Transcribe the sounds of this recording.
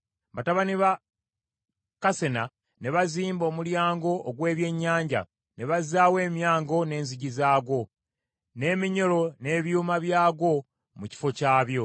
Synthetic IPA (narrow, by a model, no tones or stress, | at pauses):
bataβaniβa | kase̞na | ne̞βaziːmbo̞ːmuljaːŋɡo̞ʔːɡwe̞ːβje̞ɲːaːɲɟa̰ | ne̞βazaːwe̞ːmjaːŋɡo̞ne̞ːnziɟizaːɡo̞ | ne̞miɲo̞lo̞ne̞ːβjuːmaβjaːɡo̞ | muci̥fo̞caːβjo̞